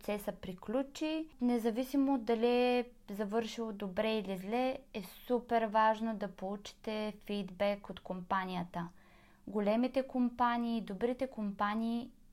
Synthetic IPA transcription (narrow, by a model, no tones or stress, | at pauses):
t̪sɛsəpɾiklʲut͡ʃinɛzɐvisimod̪ːɐliɛ | zɐvɤɾʃilˠod̪obɾɛilizlɛɛsupɛɾvaʒnod̪ɐpolˠut͡ʃi̥t̪ɛfid̪bɛkot̪kompanʲijət̪ə | ɡolʲɛmit̪ɛkompaniːd̪obɾit̪ɛkompaniː